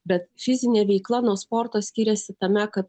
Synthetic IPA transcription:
bʲɛt̪fʲɪzʲɪnʲeːʋʲɛɪklˠɐnuɔspɔɾt̪oːsʲkʲiːɾʲɛsʲɪt̪ɐmʲɛkɐt̪

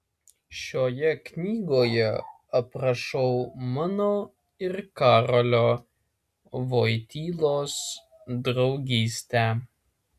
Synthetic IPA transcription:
ʃʲoːjɛknʲiːɡoːjɛ | ɐpɾɐʃɔʊmɑnoː | ɪɾkɑːɾolʲoː | ʋoːjt̪ʲiːlˠoːs | d̪ɾɒʊɡʲiːsʲt̪ʲæ

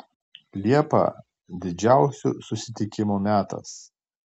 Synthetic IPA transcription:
lʲiɛpɐ̰ | d̪ʲɪd͡ʒʲæˑʊsʲuːˑsʊsʲɪt̪ʲɪkʲɪmumʲæːt̪ɐ̰s

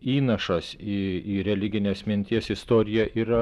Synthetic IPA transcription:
iːnɐʃɐsiːiːɾʲɛlʲɪɡʲɪnʲeːsmʲɪnʲt̪ʲiɛsɪst̪oːɾʲɪjɛiːɾɐ

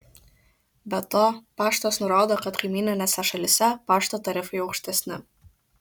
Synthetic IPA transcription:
bʲɛt̪oːpɑːʃt̪oːsnʊɾoːd̪oːkɐt̪kɐɪmʲiːnʲɪnʲɛsʲɛʃɐlʲɪsʲɛpɑːʃt̪oːt̪ɐɾʲɪfɐɪɐʊkʃʲt̪ʲɛsʲnʲɪ

